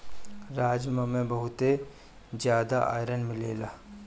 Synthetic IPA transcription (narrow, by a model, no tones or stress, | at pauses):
ɾaːd͡ʒməmẽbɐɦʊt̪e | d͡ʒjaːd̪aʔa̰ːjɾənmɪleːlaː